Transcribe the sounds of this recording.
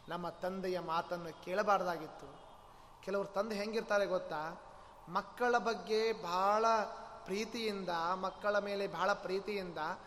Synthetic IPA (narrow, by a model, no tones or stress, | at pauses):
nɐmːɐt̪ɐnd̪ɛjɐmaːt̪ɐnːukeːɭɐbaːɾɐd̪aːɡit̪ːu | kɛlɐʋɐɾut̪ɐnd̪eɦeŋɡiɾt̪aːɾeɡot̪ːaː | mɐkːɐɭɐbɐɡːe̞bʱaːɭɐpɾiːt̪ijind̪ɐmɐkːɐɭɐme̞ːle̞bʱaːɭɐpɾiːt̪ijind̪ɐ